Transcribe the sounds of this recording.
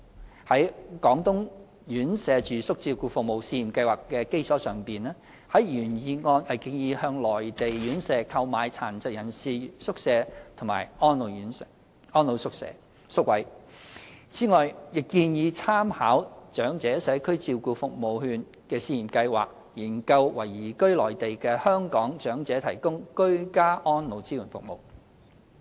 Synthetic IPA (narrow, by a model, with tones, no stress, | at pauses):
hɐ˨˥jkɔː˨˥ŋt̪ʊ˥ŋ | jyː˨˥nsɛː˨˧t͡ʃyː˨˩sʊ˥k̚t͡siː˧wkuː˧fʊ˨k̚mo˨wsiː˧jiː˨˩mkɐ˧jwaː˨˩kːɛː˧ke˥jt͡sʰɔː˨˥sœː˨˩ŋpiː˨nɛː˥ | hɐ˨˥jjyː˨˩njiː˧ŋɔː˧nhɐ˨jkiː˧njiː˨˧hœː˧ŋlɔː˨˩jt̪e˨jɥyː˨˥nsɛː˨˧kʰɐ˧wmaː˨˧jt͡sʰaː˨˩nt͡sɐ˨t̚jɐ˨˩nsiː˨sʊ˥k̚sɛː˨˧t̪ʰʊ˨˩ŋma̰ː˨˩jʔɔː˥nlo˨˧wjyː˨˥nsɛ˧ | ʔɔː˥nlo˨˧wsʊ˥k̚sɛ̰ː˨˧ | sʊ˥k̚wɐ˨˥j | t͡siː˨˥ŋɔː˨jjɪ˨kːiː˧njiː˨˧t͡sʰaː˥mhaː˨˥wt͡ʃœː˨˥ŋt͡sɛː˨˥sɛː˨˥kʰɵ˥ɥt͡siː˧wkuː˨˧fʊ˨k̚mo˨whyː˧n | kɛː˧siː˧˩jiː˨˩mkɐ˧jwa̰ː˨k̚ | jiː˨˩nkɐ˧wwɐ˨˩jiː˨˩kɵ˥ɥlɔː˨˩jt̪e˨jkɛː˧hœː˥ŋkɔː˨˥ŋt͡ʃœː˨˥ŋt͡sɛː˨˥t̪ʰɐ˨˩jkʊ˥ŋkɵ˥ɥkaː˥ʔɔː˥nlo˨˧wt͡siː˥jyː˨˩nfʊ˨k̚mo̰˨w